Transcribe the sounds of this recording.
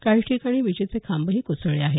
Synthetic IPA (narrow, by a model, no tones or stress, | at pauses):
kaiʈʰiːkaɽ̃iːʋid͡ʑit͡sekʰambəɦiːkusəɭeaɦe